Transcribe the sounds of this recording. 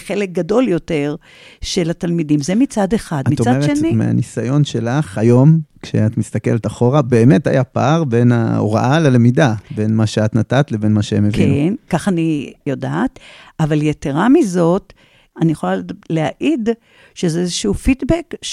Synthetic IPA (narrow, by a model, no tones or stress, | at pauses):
χelek̚ɡado̞ljo̞te̞ʁ | ʃelatalmidimzemit͡sad̪eχad̪mitt͡sadeʃenimḛa̰nisajo̞nʃelaχhajo̞mkʃḛat̪mist̪ake̞̰letaχo̞ʁabe̞ːmeta̰japa̰ʁbe̞na̰o̰ʁa̰ʔalelemidabe̞nmaʃeat̪natat̪le̞benmaʃeemevkḭennkaχanijodatavaljeteʁamizo̞t | anijeχolaleaʔid | ʃezeezeʃuufitbek